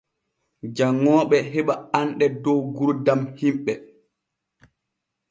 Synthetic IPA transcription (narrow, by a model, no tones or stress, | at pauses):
d͡ʒaŋːɔːɓɛɦɛɓaanɗɛdɔwɡuɾdamhimɓɛ